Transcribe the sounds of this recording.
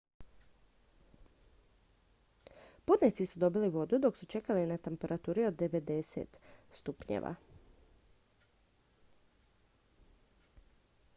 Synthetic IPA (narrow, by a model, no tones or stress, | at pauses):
pud̪net̪sisud̪o̞biliʋo̞d̪ud̪o̞ksut͡ʃe̞kalinat̪e̞mpe̞ɾat̪uːɾio̞d̪ːe̞ʋe̞d̪e̞sḛt̪st̪upɲḛʋa̰